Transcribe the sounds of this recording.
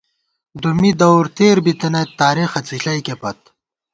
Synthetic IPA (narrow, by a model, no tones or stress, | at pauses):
d̪umid̪ɐwɾt̪eːɾbit̪ɐnɐt̪ːaːɾixɐt͡siɬɐjkepɐt̪̚